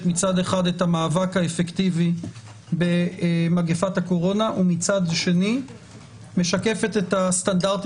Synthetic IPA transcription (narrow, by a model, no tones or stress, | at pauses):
mit͡sade̞χadetamaːvakaefe̞ktivi | be̞maɡefathako̞ʁo̞naʔumit͡sadʃe̞ni | me̞ʃake̞fe̞te̞tast̪andaʁt̪